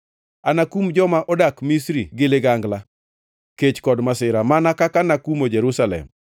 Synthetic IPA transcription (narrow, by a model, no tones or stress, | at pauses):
anakumd͡ʒɔmaʔɔdakmisɾiɡɪlɪɡaŋɡla | ket͡ʃkɔdmasɪɾamanakakanakumod͡ʒɛɾusalɛ̰m